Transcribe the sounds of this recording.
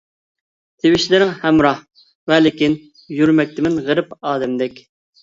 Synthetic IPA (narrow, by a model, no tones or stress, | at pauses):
t̪ʰewɪʃlɪɾɪŋhɛmɾɑh | vɛlɪkʲin | jyɾmɛk̚ʲt̪ʰɪmɪnʁəɾɪpɑːd̪ɛmd̪ɛkʲ